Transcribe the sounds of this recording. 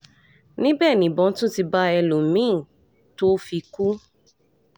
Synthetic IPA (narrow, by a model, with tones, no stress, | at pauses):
nĩ˦bɛː˦˨nĩ˨bɔ̃˨˦tũ˦ti˧ba˦ɛ˧lo˨mĩ˦˨ | to˦fi˧ku˦